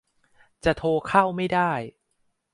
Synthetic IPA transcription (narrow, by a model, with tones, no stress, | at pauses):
t͡ɕa˨˩t̪ʰoː˧kʰa˥˩wma˥˩jdaː˥˩j